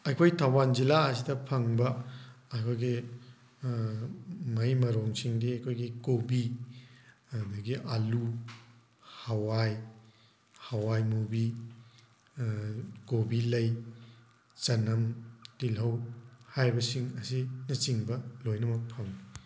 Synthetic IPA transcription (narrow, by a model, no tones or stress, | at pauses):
ɐkʰojtʰɐwand͡ʒilaɐs̬idɐpʰɐŋbɐɐkʰojɡi | mɐjmɐɾoŋsiŋdiɐkʰojɡikobi | ɐdɐɡiʔalu | hawaj | hɐwajmubi | kobilɐj | t͡ʃɐnɐmtilɐwhajbɐsiŋɐsinɐt͡ʃiŋbɐlojnɐmɐk̚pʰɐŋi